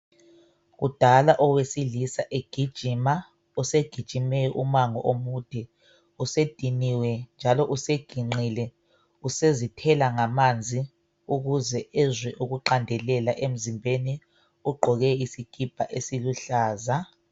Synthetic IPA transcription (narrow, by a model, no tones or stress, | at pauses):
ud̥ʱalaʔɔwesilisaʔeɡ̥ʱid̥ʒ̥ʱiːma | useɡ̥ʱid̥ʒ̥ʱimɛʔumaŋɔ̰ʔomuːd̥ʱɛ | used̥ʱiniwɛnd͡ʒʱalɔʔuseɡ̥ʱiŋ͡ǀilɛ | usezitʰɛlaŋamand͡zʱi | uɣuzɛɛzwɛʔuɣuǃandʱɛlɛlaʔem̩zimbʱeni | uɡ͡ǃʱɔɣɛisiɡ̥ʱib̥ʱaʔesiluɬaːza